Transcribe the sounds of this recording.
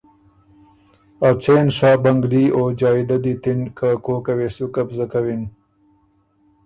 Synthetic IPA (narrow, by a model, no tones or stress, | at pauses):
at͡seːnʂɑːbaŋɡliːoːd͡ʒɑːid̪ad̪it̪ɪnkʰakoːkaweːsukapzakawin